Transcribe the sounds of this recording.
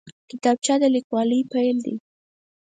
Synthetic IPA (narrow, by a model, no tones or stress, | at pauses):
kɪt̪ɑb̚t͡ʃad̪alɪkwɑləjpajld̪ḭ